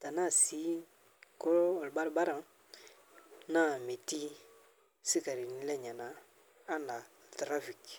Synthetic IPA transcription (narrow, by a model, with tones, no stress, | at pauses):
ta˨na˦˨si˨˦ | ko˦lɔ˨lba˦ɾba˦ɾa˨ | na˦˨me˨ti˦ | si˦ka˨ɾi˨ni˦lɛ˦ɲa˨na˨ | a˦na˨tɾa˦fi˨k